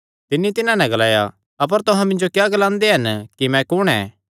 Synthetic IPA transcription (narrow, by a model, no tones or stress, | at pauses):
t̪ɪnːit̪ɪnãnɛ̃ɡɐlaːja̰ | ɐp̬əɾt̪ʊɦãmɪ̃nd͡ʒokjaːɡɐlãːnd̪eɦɐnkimɛ̃kʊɽ̃ɛ̰̃